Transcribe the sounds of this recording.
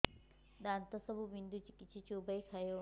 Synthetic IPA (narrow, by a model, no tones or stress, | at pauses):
d̪ant̪ɐsəbʱuʋind̪ut͡ʃikit̪ːʃʰit͡ʃoːbəjkʰajo